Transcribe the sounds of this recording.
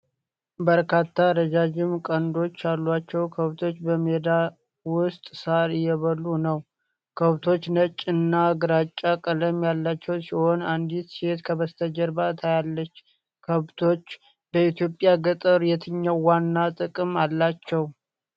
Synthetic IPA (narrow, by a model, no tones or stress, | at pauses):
bəɾkʰat̪ʰːaɾəd͡ʒad͡ʒɪmkʼənd̪o̞t͡ʃːalːat͡ʃːɛwkʰəβt̪ʰo̞t͡ʃːbəmed̪a | wʊst̪ʼsaɾjɛβəlːunəw | kʰəβt̪ʰo̞t͡ʃːnət͡ʃʼːɨnːaɡɨɾat͡ʃʼːakʼələmjalːat͡ʃːɛwsiho̞nand̪it̪set̪kʰəβəst̪ʰəd͡ʒəɾbat̪ʰajalːət͡ʃː | kʰəβt̪ʰo̞t͡ʃː | bəit̪jo̞pʼjaɡət̪ʼəɾjɛt̪ʰɨɲːawwanːat̪ʼɨkʼɨmalːat͡ʃːɛw